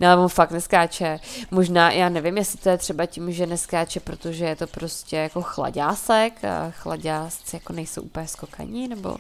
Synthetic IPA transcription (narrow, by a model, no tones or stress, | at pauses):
nɛlɛvonfak̚t̪nɛskaːt͡ʃɛmoʒnaːjʔaːnɛvɪmjɛsɪ̥t̪ojɛt̪r̝̥ɛbacɪmʒɛnɛskaːt͡ʃɛpɾot̪o̞ʒɛjɛt̪o̞pɾo̞scɛjako̞xla̰ɟaːsɛkxlaɟaːst͡sɪjakonɛjsowʔṵːpl̩ɲɛskoka̰ɲinɛbo̞̰